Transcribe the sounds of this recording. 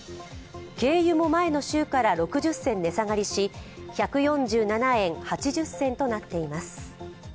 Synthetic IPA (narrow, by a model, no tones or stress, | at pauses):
ke̞ːjɯ̟mo̞mae̞no̞ɕɨːkaɾaɾo̞kɯ̟ʑɨsːẽ̞nːe̞saŋaɾʲiɕiçakɯ̟jõ̞ɲd͡ʑɨːnanaẽ̞ŋhat͡ɕiʑɨsːẽ̞nt̪o̞nat̪ːe̞imasɨ̥